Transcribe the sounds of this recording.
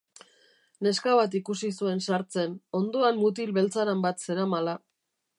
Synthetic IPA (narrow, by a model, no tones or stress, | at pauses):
ne̞skaβat̪ikusis̬ue̞nsaɾt͡se̞no̞nd̪o̞anmut̪̬ilβe̞lt͡saɾambat̪se̞ɾamala